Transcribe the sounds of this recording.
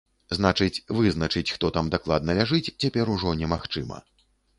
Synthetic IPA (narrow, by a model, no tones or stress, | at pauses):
znat͡ʂɨt͡sʲvɨznɐt͡ʂɨt͡sʲxt̪ɔt̪amd̪aklˠad̪̚nɐlʲaʐɨt͡sʲt͡sʲapʲɛɾuʐɔnʲɛmaxt͡ʂɨmɐ̰